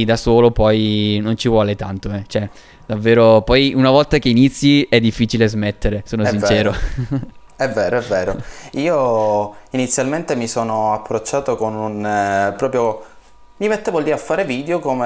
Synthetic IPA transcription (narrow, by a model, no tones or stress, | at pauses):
d̪asoːlopɔjnont͡ʃivwɔːlet̪ant̪oɛt͡ʃoɛ | d̪avːeːɾopɔjunavɔlt̪akeinit̪sːjiɛd̪ːifːiːt͡ʃilezmet̪ːeɾesoːnosint͡ʃɛːɾo | ɛvːɛːɾoɛvːeːɾoiːo | init̪sjalment̪emisoːnoapːɾot͡ʃːaːt̪okonunpɾɔːpɾjo | mimet̪ːevold̪iːɾafːaːɾeviːd̪eokome